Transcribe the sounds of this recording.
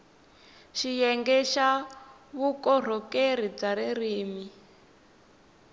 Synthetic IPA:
ʃijɛŋɡɛʃaβukɔr̤ɔkeɾ̤ib͡ʐaɾiriːmi

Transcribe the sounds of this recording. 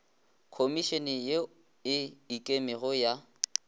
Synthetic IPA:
kʰomiʃɛnɛje | ɪikʼemɪɣʊja

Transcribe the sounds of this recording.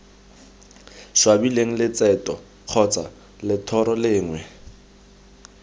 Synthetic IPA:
ʃwabileŋ̩lɪt͡sʼɛtʼɔ | q͡χʰɔt͡sʼa̰ | lɪtʰɔɾɔlɪːŋwɛ

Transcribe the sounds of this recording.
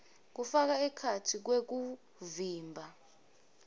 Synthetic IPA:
k̬ufak̬aɛkʰatʰik̬wek̬u | viːmbʱa

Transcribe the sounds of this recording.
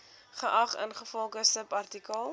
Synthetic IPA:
χəʔɐχə̰nχəfɔlˠχəsəpɐrtikəlˠ

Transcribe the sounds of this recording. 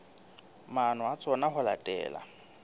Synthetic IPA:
manʊat͡sʼɔnaɦʊla̰tʼɛ̰ːla̰

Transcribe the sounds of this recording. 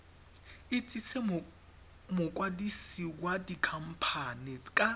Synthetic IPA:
ɪt͡sʼisɛ | mʊkʼwadisiwadikʰam̩pʰanɪkʼa

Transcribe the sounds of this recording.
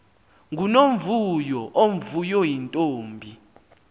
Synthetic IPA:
ŋunomvujɔʔom̩vujɔjintʼoːmbʱi

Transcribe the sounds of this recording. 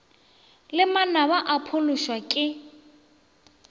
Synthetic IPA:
lɪmanaβaʔapʰʊlʊʃwakʼɪ

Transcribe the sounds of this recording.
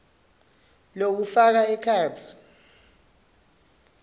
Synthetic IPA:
lok̬ufak̬aɛkʰaːt͡sʰi̥

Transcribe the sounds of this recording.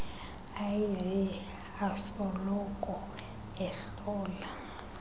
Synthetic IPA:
ajivɛ | asɔlɔkʼɔ | ɛɬ | ɔːla

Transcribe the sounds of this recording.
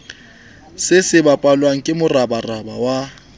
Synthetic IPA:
sɪsɪbapʼalwaŋ̩kʼɪmʊrabaraba̰wa

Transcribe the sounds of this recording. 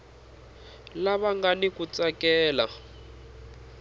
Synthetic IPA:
laβaŋɡanikut͡sakɛːla

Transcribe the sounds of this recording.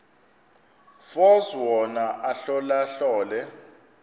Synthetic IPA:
fɔzwɔnaʔaɬɔlaɬɔːlɛ

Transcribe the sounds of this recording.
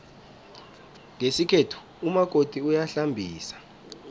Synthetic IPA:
ŋʱesikʰetʰu̥ | umak̬ʼotʼiujaɬambʱiːsḁ

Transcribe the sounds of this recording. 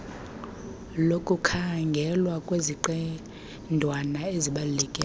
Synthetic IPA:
lokʼukʰaŋɡʱɛlwakʼweziǃɛ | ndʱwanaeziɓalulɛkʼɛ

